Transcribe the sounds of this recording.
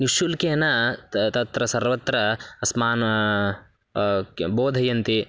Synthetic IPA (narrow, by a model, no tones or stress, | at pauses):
nuʃulkeːnɐt̪ɐt̪ɾɐsɐɾʋɐt̪ɾɐɐsmaːn | boːd̪ʱɐjɐnt̪i